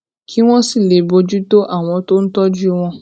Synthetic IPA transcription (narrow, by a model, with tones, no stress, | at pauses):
kʰi˦w̃ɔ̃˦si˦˨le˨bo˧d͡ʒu˦to˦ʔa˦˨w̃ɔ̃˧to˦n̩˦tɔ˦d͡ʒu˦w̃ɔ̃˧